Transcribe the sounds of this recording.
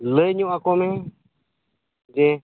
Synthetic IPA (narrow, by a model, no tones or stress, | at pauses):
ləjɲũʔakomẽ | d͡ʒe